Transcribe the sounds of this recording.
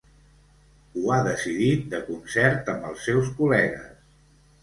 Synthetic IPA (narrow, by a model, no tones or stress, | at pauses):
uaðəsiðit̪̚d̪əkunsɛɾt̪əmbəlˠsːɛwskulɛɣə̰s